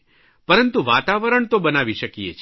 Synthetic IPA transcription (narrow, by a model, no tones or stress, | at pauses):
pəɾənt̪uʋat̪aʋəɾəɳt̪obənaʋiʃəkijḛt͡ʃʰ